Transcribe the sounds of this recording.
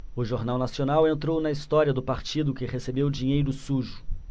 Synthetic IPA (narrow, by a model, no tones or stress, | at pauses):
ʊʒoɾnawnasionawẽnt̪ɾownɐist̪ɔɾiɐd̪ʊpaɾt͡ʃid̪ʊkɪhesebewd͡ʒiɲejɾʊsuʒʊ̥